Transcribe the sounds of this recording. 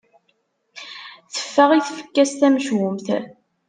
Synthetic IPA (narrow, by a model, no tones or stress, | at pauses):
θə̥fːəʁiθfə̥kːæst̪æmʃwʊmθ